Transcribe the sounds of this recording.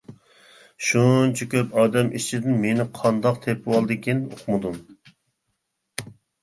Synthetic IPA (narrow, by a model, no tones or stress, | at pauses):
ʃunt͡ʃʰɛkʲʰøpɑːd̪ɛmʔit͡ʃʰid̪ɪnmenɪqʰɑnd̪ɑq̚t̪ʰepʰwɑlˠd̪ɨkʲʰino̰qʰmɨd̪un